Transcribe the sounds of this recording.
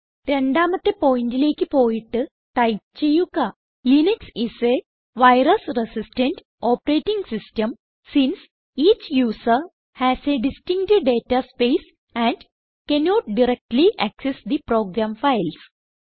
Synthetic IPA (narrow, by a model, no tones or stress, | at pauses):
ɾeɳɖaːmɐt̪ːepoːiɳʈileːkipoːiʈː | ʈajt͡ʃejuka | lineksise | ʋaɪɾɐsɾesisʈẽɳʈ | ɔːpɾeːʈĩŋɡsisʈɐm | sĩns | iːt͡ʃjuːsəɾ | hæseɖisʈĩŋɡʈeɖeːʈaspeːs | æ̃ɳɖ | kɛnɔːʈ̚ɖiɾek̚ʈliʔæksesd̪ipɾoːɡɾãːmfaɪls